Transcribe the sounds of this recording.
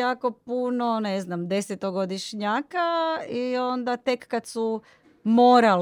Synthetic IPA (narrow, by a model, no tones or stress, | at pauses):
aːko̞punone̞znamd̪e̞set̪oɡod̪iʃɲaːkaio̞nd̪at̪e̞kːad̪su | mo̞ːɾal